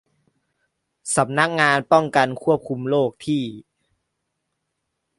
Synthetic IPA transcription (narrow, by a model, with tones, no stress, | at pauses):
sa˩˦mna˦˥k̚ŋaː˧npɔ˥˩ŋka˧nkʰu˥˩əp̚kʰu˧mloː˥˩k̚t̪ʰiː˥˩